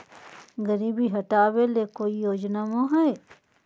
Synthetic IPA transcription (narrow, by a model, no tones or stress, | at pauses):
ɡəɾiːbiɦɐʈaːwelekoːijoːd͡ʒnamãɦɛe